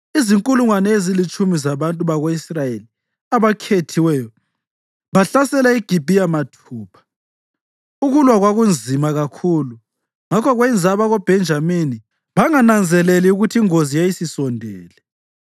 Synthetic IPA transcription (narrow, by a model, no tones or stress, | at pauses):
iziŋkʼuluŋwanɛezilit͡ʃʼumizaβantʼuβaɣoisrajeli | aβakʰetʰiwɛjɔ | βaɬasɛlaiɡ̥ʱib̥ʱijamatʰuːpʰḁ | uɣulwaɣwaɣund͡zʱimaɣakʰulu | ŋakʰɔɣwɛnd͡zʱaβaɣob̥ʱɛnd͡ʒʱamini | βaŋanand͡zʱɛlɛliuɣutʰiiŋozijajisisɔndʱɛːlɛ